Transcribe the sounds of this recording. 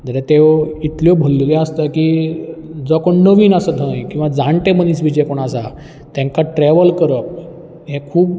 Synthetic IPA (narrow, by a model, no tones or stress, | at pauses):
d͡zəɾet̪eit̪ljɔbʱəlːleast̪əki | d͡zɔkoɳnəʋiːnasəd̪ʱə̃jkĩw̃ʋad͡zaɳʈeməniːsʋid͡ʑɛkoɳasa | t̪ɛ̃ŋkaʈɾeʋəlkəɾəp̚ | ɦẽkʰuːb